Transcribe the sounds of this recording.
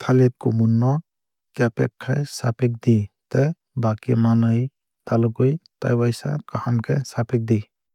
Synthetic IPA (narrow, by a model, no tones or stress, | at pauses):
t̪ʰalep̚kumunːɔ | kepɛ̰kʰːajsapek̚d̪it̪e | bakimanɯj | t̪alɔɡɯjt̪a̰jbajsa̰kahamkʰesapʰek̚d̪i